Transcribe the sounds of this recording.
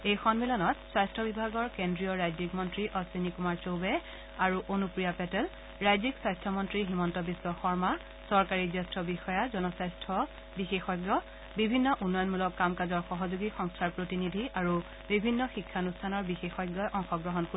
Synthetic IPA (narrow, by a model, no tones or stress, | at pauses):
ejxɔnmilɔnɔtswajstʰɔbibʱaɡɔɹkendɹiɔɹajzikmɔntɹiʔɔswinikumaɹt͡ʃobɛ | aɹuʔonupɹijapɛtɛl | ɹajzikswajstʰɔmɔntɹiɦimɔntɔbiswɔxɔɹma | sɔɹkaɹizɛstʰɹɔbixɔjazɔnɔsajstʰɔ | bixexɔjɡjɔ | bibʱinːɔʔunːɔjɔnmulɔkːamkazɔɹxɔɦɔzuɡixɔŋstʰaɹpɹotinidʱiaɹu | bibʱinːɔxikʰːaonustʰanɔɹbixexɔjɡjɔjʔɔŋxɔɡɹɔɦɔnk